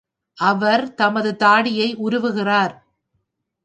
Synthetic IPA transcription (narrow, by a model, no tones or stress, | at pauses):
ʔɐʋɐɾt̪ɐmɐðɯt̪aːɽɪjɐɪʔʊɾɯʋɯɣɪraːɾ